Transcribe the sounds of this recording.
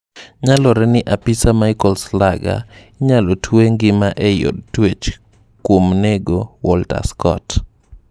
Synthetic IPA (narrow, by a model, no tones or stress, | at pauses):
ɲalɔɾɛnɪʔapɪsamaɪkɔlslaɡa̰ | ɲalɔtʰweŋɡɪmaʔɛjɔ̰d̚twet͡ʃ | kwomneɡowɔlta̰skɔ̰t